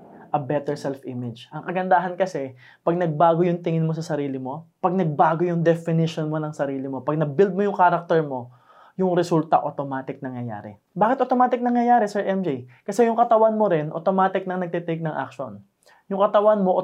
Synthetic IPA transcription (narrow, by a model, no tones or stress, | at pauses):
ʔɐbɛt̪ɛɹsɛlfʔɪmɪd͡ʒʔɐŋkɐɡɐnd̪aːɦɐnkɐsɛ | pɐɡ̚nɐɡ̚baːɡo̞jʊŋt̪ɪŋɪnmo̞sɐsɐɾiːlɪmo̞pɐɡ̚nɐɡ̚baːɡojʊŋd̪ɛfɪnɪʃonmo̞nɐŋsɐɾiːlɪmo̞pɐɡ̚nɐbild̪̚mojʊŋkaːɾɐk̚t̪ɛɹmo̞ | jʊŋɾɛsult̪ɐ̰ʔot̪omaːt̪ɪk̚nɐŋjɐja̰ːɾɛ̰ | baːkɪt̪ʔot̪omaːt̪ɪk̚nɐŋjɐjaːɾɛsɛɹʔɛmd͡ʒejkɐsɛjʊŋkɐt̪ɐwanmoɾɪnʔot̪omaːt̪ɪk̚nɐŋnɐɡ̚t̪it̪ek̚nɐŋʔa̰k̚ʃo̰n | jʊŋkɐt̪ɐwanmo̞ʔ